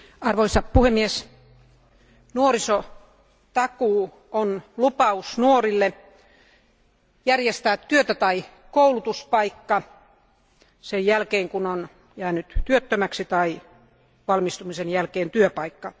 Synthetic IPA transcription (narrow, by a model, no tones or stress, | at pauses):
ɑrʋoisɑpuhemːies | nuoriso | t̪ɑkuː | onlupɑusnuorilːe | jærjest̪æːt̪tyøt̪æt̪ɑi | koulut̪uspɑikːɑ | sejjælkeːŋkunon | jæːnyt̪t̪yøt̪ːømæksit̪ɑi | ʋɑlmist̪umisenjælkeːnt̪yøpɑikːɑ